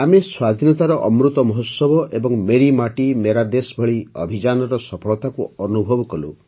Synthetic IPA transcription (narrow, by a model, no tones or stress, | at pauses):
ameswad̪ʱinɔt̪aɾɔʔɔmɾut̪ɔmɔɦosɔbɔʔebɔŋmeɾimaʈimeɾad̪esbʱɔɭiɔ̰bʱid͡ʒanɔɾɔsɔpʰɔɭɔt̪akuɔnubʱɔbɔkɔlṵ